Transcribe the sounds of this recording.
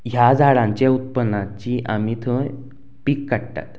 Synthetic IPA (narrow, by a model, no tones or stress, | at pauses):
ɦjad͡zʱaɽãɲt͡ɕeut̪̚pənːãt͡ɕiʔamit̪ʰəj | pikːaɽt̪a̰t̪